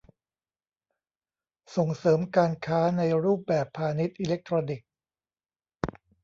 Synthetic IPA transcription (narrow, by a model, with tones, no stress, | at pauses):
so˨˩ŋsɤː˩˦mkaː˧nkʰaː˦˥na˧jɾuː˥˩p̚bɛː˨˩pʰːaː˧ni˦˥t̪̚ʔiː˧le˦˥k̚t̪ʰɾoː˧ni˨˩k̚